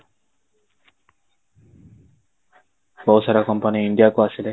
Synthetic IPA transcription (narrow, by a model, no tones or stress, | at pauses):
bɔsaɾakɔmpaniiɳɖijakoasile